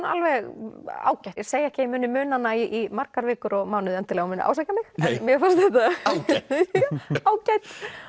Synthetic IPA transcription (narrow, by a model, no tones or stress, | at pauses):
na̰lvɛɣa̰ːwcaj̪ɛɾseːjaɛhcɪɪmʏːnɪmʏːnanaːjɪʔimaɾkaɾvɪːkʏɾɔɣmaːwnʏðɛnt̪ɪlɛɣmʏnʏʔa̰wsajcamɪxɛnmjɛfḁst̪θɛht̪a | aːwcajt̪